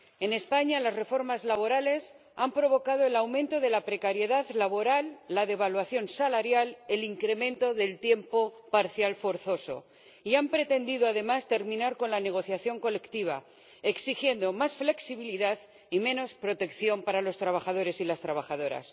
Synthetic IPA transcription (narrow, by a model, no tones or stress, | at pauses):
e̞ne̞spaɲalazre̞fo̞ɾmazlaβo̞ɾale̞s | ampɾo̞β̞o̞kað̞oe̞lawmẽ̞nt̪o̞ðe̞lapɾe̞kaɾje̞ðaðlaβo̞ɾalːaðe̞β̞alwaθjo̞nsalaɾjale̞liŋkɾe̞mẽ̞nt̪o̞ðe̞lt̪je̞mpo̞ | paɾθjalfo̞ɾθo̞so̞̰ | iampɾe̞t̪e̞nd̪iðoaðe̞mast̪e̞ɾmĩnaɾko̞nlane̞ɣ̞o̞θjaθjo̞ŋko̞le̞kt̪iβ̞a̰ | e̞ksixje̞nd̪o̞masfle̞ksiβ̞iliðað | imẽ̞no̞spɾo̞t̪e̞kθjo̞mpaɾalo̞st̪ɾaβ̞axað̞o̞ɾe̞silast̪ɾaβ̞axað̞o̞ɾa̰s